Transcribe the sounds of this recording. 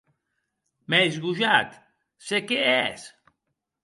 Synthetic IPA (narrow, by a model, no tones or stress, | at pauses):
mɛjzɣuʒat̪ | sekeɛs